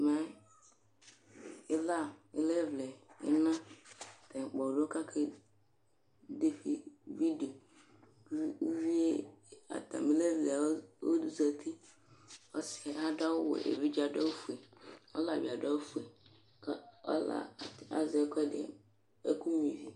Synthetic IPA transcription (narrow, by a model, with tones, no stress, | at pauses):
mã˦ | ɪ˦la˦˨ɪ˦lɛ˦vlɛ˨ɪ̰˦nã˦˨tɛ˨k͡pɔ˨do˦ɔ˦ka˦kʰe˦ | de˦ɸi˦vi˦do˨˦ | vi˦e˦a̰˨ta̰˨mi˦le˦vlɛ˨˦o˦du˦za˨t̪ʰi˦ | ɔ̰˦sɪ˨a˦da˦wwo̰˨ʔḛ˨vi˦d͡ʒa˨dɔ˦fu˨e˨ɔ̰˦la˨bi˨a˨da˦fu˨e˨ | kɔ̰˦la̰˨a̰˨zɪ˨ɛ˦kʰɛ˦dɪ̰˨ | e˦ku˦mi˨vi˨